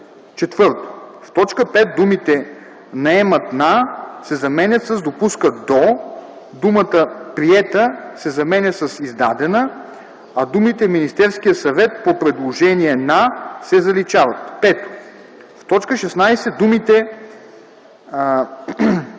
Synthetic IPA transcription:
t͡ʃɛt̪vɤɾt̪o̥ft̪ɔt͡ʃkəpɛt̪̚d̪umit̪ɛ | nɐɛmɐt̪nasɛzɐmɛnʲət̪sɐzd̪opuskəd̪o | d̪umət̪əpɾiɛt̪əsɛzɐmɛnʲəsəsizd̪a̰d̪ɛnə | ɐd̪umit̪ɛminist̪ɛɾskijəsɐvɛt̪̚popɾɛd̪lˠoʒɛniɛnasɛzɐlit͡ʃavɐt̪pɛt̪o̥ | ft̪ɔt͡ʃkəʃɛsnajsɛd̪umit̪ɛ

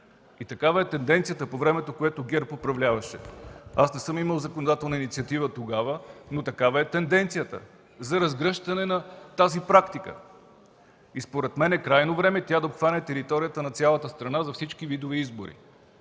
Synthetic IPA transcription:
it̪ɐkavɐɛt̪ɛnd̪ɛnt̪sijət̪əpovɾɛmɛt̪okoɛt̪oɡʲɛɾpopɾɐvlʲavɐʃɛ̰asnɛsɤmiməlˠzɐkonod̪at̪ɛlˠnəinit̪siɐt̪ivət̪oɡavənot̪ɐkavɐɛt̪ɛnd̪ɛnt̪sijət̪ə̰ | zɐɾɐzɡɾɤʃt̪ɐnɛnɐt̪azipɾakt̪ikə̰ | ispoɾɛt̪mɛnɛkɾajnovɾɛmɛt̪ʲad̪ɐopxvanʲɛt̪ɛɾit̪ɔɾijət̪ənɐt̪sʲjalˠɐt̪əst̪ɾɐnazɐfsit͡ʃkivid̪oviizbo̰ɾḭ

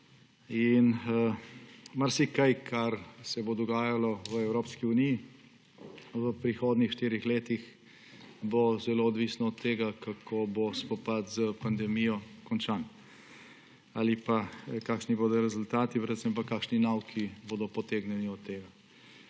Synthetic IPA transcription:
in | maɾsikajkʰaɾsɛbod̪ɔɡaːjalɔʋəɛwɾoːpskiuniji | ʋəpɾixoːd̪nixʃt̪iːɾixleːt̪ix | bozɛloɔd̪ʋisnɔɔt̪ːeːɡakakʰobospɔpat̪zəpand̪ɛmijɔkɔnt͡ʃaːn | alipakaːkʃniboːd̪ɔɾɛzʊlt̪aːt̪ipɾɛd̪səmp̬akaːkʃninawkʰiboːd̪ɔpɔt̪eːɡnjɛniɔt̪ːeːɡa

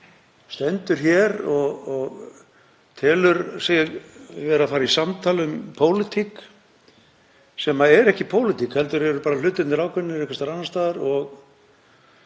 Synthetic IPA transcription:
st̪ɛnt̪ʏɾ̥çɛɾɔɣɔɣ | t̪ʰɛːlʏɾsɪɣvɛːɾafaːɾisamt̪ʰaːlʏmpʰoːwlɪt̪ʰik | sɛmaɛɾɛhcɪpʰowlɪt̪ʰikhɛl̪t̪ʏɾɛɾʏɾpaːɾalʏːt̪ʏnɪɾaːwkʰvɛnːɪɾɛhkʰvasaɾananst̪aːðaɾɔɣ

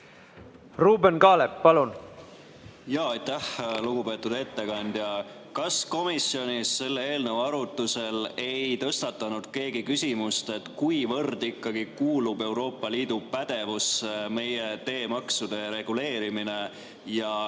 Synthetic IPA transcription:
ruːbenkɑːlepːɑlun | jɑːɑjt̪æhluɡ̥upe̞ːt̪ːud̪e̞t̪ːe̞kɑnʲd̪̥jɑkɑsko̞misio̞nʲisːe̞lːee̞ːlnəvɑɾut̪ːˑuse̞le̞jt̪ɤ̞st̪ɑt̪ːˑɑnud̪̥ke̞ːɡikysʲimust̪e̞t̪kujvɤrd̪̥ikˑːɑɡ̥ikuːlube̞wɾo̞ːpːˑɑliːd̪̥upæd̪̥e̞vusme̞jet̪e̞ːmɑksud̪̥e̞ɾe̞ɡ̥ule̞ːɾimine̞ | jɑ

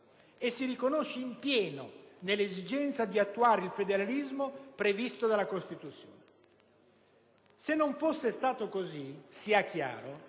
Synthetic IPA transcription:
esːiɾikonoʃːeimpjɛːno̰nelːezid͡ʒɛnt̪sad̪iat̪ːuaːɾeilfed̪eɾalizmopɾevist̪od̪alakost̪it̪ut̪sːjo̰ːne | senːoɱfosːest̪aːt̪okozisiakːja̰ːɾo

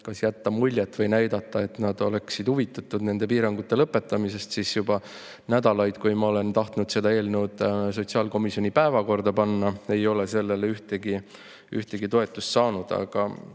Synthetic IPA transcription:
kɑsjæt̪ːɑmulʲjet̪ːˑvɤjnæjd̪̥ɑt̪ˑːɑe̞t̪nɑd̪̥o̞le̞ksid̪̥huvit̪ːˑɑt̪ːˑud̪ne̞nd̪e̞piːɾɑŋɡ̥ut̪ːˑe̞lɤpːˑe̞t̪ːˑɑmise̞st̪siːsjubɑ | næd̪̥ɑlɑjd̪̥kujmɑo̞le̞nt̪ɑht̪nud̪̥se̞d̪ɑe̞ːlnewd̪̥s̬o̞t̪ʲsiɑːlko̞misio̞nipæevɑko̞rd̪̥ɑpɑnːɑe̞jo̞le̞se̞lːe̞leyht̪eɡi | yht̪e̞ɡit̪o̞e̞t̪ːˑust̪sɑːnud̪̥ɑ̰ɡ̥ɑ

